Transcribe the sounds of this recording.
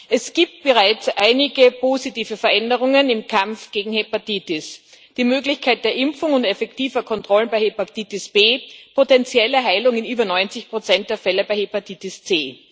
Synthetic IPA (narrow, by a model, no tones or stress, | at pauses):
ʔɛsɡ̥iːp̚t̚b̥əʁaɪt͡sʔaɪnɪɡəpʰoːzitiːvəfɛɐʔɛndəʁʊŋənɪmkʰamfɡ̥eːɡŋ̩hepatiːtɪs | d̥iːmøːɡlɪçkʰaɪt̚d̥eːɐʔɪmfʊŋʊntɛfɛktiːvɐkʰɔntʁ̥ɔlənbaɪhepatiːtɪsb̥eːpʰotɛnt͡sjɛləɦaɪlʊŋɪnyːbɐnɔʏnt͡sɪçpʁ̥ot͡sɛnt̚d̥eːɐfɛləbaɪhepatʰiːtɪst͡seː